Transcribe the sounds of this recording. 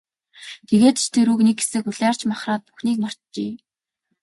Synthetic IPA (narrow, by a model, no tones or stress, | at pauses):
t̪ʰeɣeːt̪t͡ɕʰt̪ʰeɾuknekxe̥sɘ̆kuɮæːr̥t͡ɕmaχraːt̪̚pu̥xniːk̚mɔr̥t̪t͡ɕiː